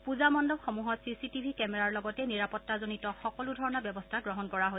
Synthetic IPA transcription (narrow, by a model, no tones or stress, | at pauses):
puzamɔndɔbxɔmuɦɔtsisitibʱikɛmɛɹaɹlɔɡɔtɛniɹapɔtːazonitɔxɔkɔludʱɔɹɔnabjɔbɔstʰaɡɹɔɦɔnkɔɹaɦo